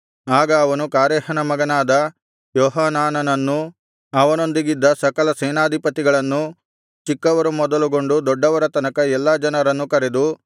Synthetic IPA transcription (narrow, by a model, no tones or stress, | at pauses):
aːɡɐːʋɐnukaːɾɛːhɐnɐmɐɡɐnaːd̪ɐ | jɔːɦaːnaːnɐnɐnːu | ɐʋɐno̞nd̪iɡid̪ːɐsɐkɐlɐsɛːnaːd̪ʱipɐt̪iɡɐɭɐnːu | t͡ʃikːɐʋɐɾumɔd̪ɐluɡo̞ɳɖud̪ɔɖːɐʋɐɾɐt̪ɐnɐkɐɛlːaːd͡ʒɐnɐɾɐnːukɐɾed̪u